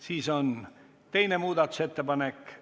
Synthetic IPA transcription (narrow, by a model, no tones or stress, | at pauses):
siːson | t̪ejnemuːd̪ɑt̪ːˑu̥set̪ːepɑnekː